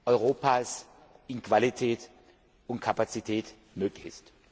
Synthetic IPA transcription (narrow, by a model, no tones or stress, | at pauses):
ʔɔʏʁoːpʰaːs | ʔɪnkv̥alitʰɛːt | ʊntkʰapat͡sitʰɛːt | møːklɪçɪst